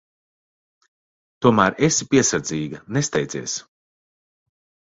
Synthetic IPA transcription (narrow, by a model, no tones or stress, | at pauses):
t̪uɔmæːɾesipiɛsaɾd̪ziːɡɐnest̪ɛjd̪iɛːs